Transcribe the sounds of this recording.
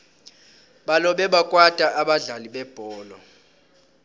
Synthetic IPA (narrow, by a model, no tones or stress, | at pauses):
ɓalɔɓɛɓakʼwatʼaʔaɓaɮaliɓɛb̥ʱɔːlɔ